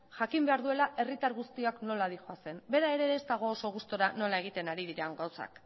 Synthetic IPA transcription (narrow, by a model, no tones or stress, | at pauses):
ʝakimbe̞aɾðue̞laʔe̞rit̪aɾɣust̪iakno̞laðixoase̞mbe̞ɾae̞ɾe̞ːst̪aɣ̞o̞ːso̞ɣ̞ust̪oɾano̞lae̞ɣ̞it̪e̞naɾiðiɾaŋɡawsa̰k